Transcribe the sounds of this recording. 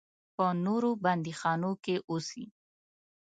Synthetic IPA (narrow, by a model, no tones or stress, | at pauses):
pənoɾoband̪ixɑnokeʔosi